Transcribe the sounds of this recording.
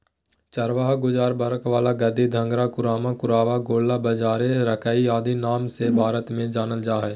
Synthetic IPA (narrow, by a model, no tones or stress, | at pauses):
t͡ʃəɾʋaːɦɡʊd͡ʒaːɾbəɾəkʋaːlaɡɐd̪id̪ʱə̃ŋɡɾakʊɾaːmakʊɾaːʋaɡoːlːabəd͡ʒaːɾeɾəkaːiaːd̪inaːmsebʱaːɾət̪mẽd͡ʒaːnəld͡ʒaːɦɛː